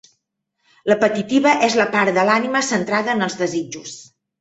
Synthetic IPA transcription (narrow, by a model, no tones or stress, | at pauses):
ləpət̪it̪iβəʔɛzləpaɾd̪əlaniməsənt̪ɾaðəːnəlˠzðəzid͡ʒus